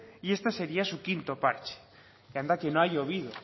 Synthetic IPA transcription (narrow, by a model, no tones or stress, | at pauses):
ie̞st̪aseɾiasukint̪opaɾt͡ʃe̥ | kand̪akenoajoβið̞o̰